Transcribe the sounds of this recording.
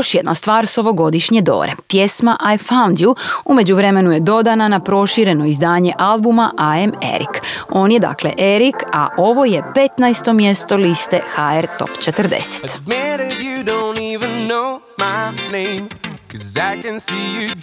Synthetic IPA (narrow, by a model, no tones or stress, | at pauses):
joʃjed̪nast̪ʋaːɾso̞ʋo̞ɡo̞d̪iʃɲed̪o̞̰ːɾe̞̰pjesmaʔajfawnd̪juume̞d͡ʑuʋɾe̞me̞nuje̞d̪o̞d̪ananapɾo̞ʃiɾe̞no̞izd̪aːɲe̞ʔalˠbumaʔaemḛɾḭko̞ːnje̞d̪a̰ːkle̞̰ʔeɾika̰ʔo̞ʋo̞je̞pe̞t̪najst̪o̞mje̞st̪o̞list̪e̞xaeɾt̪o̰pt͡ʃet̪əɾd̪ḛse̥t̪mɛɾɪjɨdõʊ̃ntivɨ̃nːoʊ | maɪnẽɪ̃mkʰɔzaɪkɨ̃nsijɨ